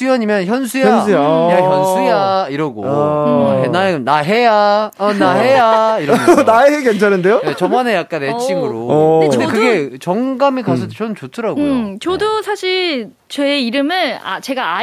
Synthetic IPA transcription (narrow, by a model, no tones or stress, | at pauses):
sujʌɲimjʌnçjʌnsʰujʌans̬ʰujjaçjʌnsʰujaiɾʌɡo̰aɦenaeɡɯnaɦejaʌnaɦejaiɾʌnaeɦekent͡ɕʰaɾɯndejojet͡ɕʌmanejak̚k͈anet͡ɕʰiŋɯɾoɯdekɯɡe̞t͡ɕʌŋɡamikasʰʌt͡ɕʰʌnɯnt͡ɕotʰɯɾaɡot͡ɕʌdosʰaɕʰi | t͡ɕeːiɾɯmɯɭa̰t͡ɕe̞ɡaa